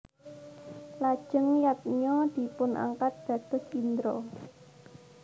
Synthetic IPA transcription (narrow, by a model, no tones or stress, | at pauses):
lad̥ʒ̥əŋjat̪̚ɲɔd̪̥i̤pʊnʔa̰ŋkat̪̚d̪̥ä̤t̪ʊ̤sind̪ɾo